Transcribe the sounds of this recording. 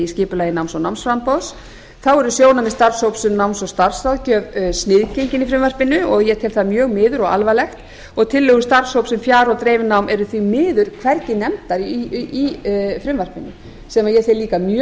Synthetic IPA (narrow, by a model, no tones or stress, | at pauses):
iscɪːpʏlaːjɪnawmsɔnawmnsfɾampɔðs | θawɛɾʏsjoːwnamɪst̪aɾshowpsɛmnawmsɔwst̪ar̥saðcœːvsnɪðcejɲcɪnifɾɪmvar̥pɪnʏɔɣjɛt̪ʰɪlθamjœːɣmɪːðʏɾɔɣa̰lvalɛxt̪ | ɔɣt̪ʰɪlːʏɣʏst̪aɾ̥showpsɛmfjaːɾɔwt̪ɾeːjvnawmɛɾʏθvimɪːðʏɾ̥kʰvɛɾcɪnɛmt̪aɾiifɾɪmvar̥pɪnʏ̰ | sɛmaðjɛθɪliːkamjœ